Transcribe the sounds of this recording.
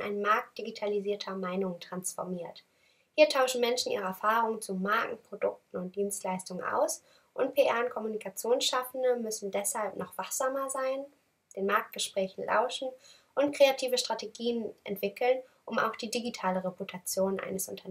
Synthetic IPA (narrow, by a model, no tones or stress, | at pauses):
ʔa̰ɪnmaɐk̚t̚d̥iɡitʰaliziːɐtʰɐmaɪnʊŋətʁ̥ansfɔɐmiːɐt | hiːɐtʰaʊʃn̩mɛnʃn̩ʔḭːʁ̞əɛɐfaːʁʊŋənt͡sumaɐkŋ̩pʁ̥odʊk̚tn̩ʊnt̚d̥iːnstlaɪstʊŋənʔa̰ʊs | ʔʊntpʰeʔɛɐnkʰɔmunikʰat͡sjoːnʃafn̩dəmʏsn̩dɛshalpnɔχv̥aχz̥aːmɐzaɪn | d̥eːnmaɐk̚t̚ɡ̥əʃpʁ̥ɛːçn̩lʔa̰ʊʃn̩ | ʔʊntkʁ̥eatʰiːvəʃtʁ̥ateɡiːənʔɛ̰ntv̥ɪkl̩n | ʔʊma̰ʊxd̥iːdiɡitʰaːləʁeputʰat͡sjoːnʔa̰ɪnəsʔʊ̰ntʰɐ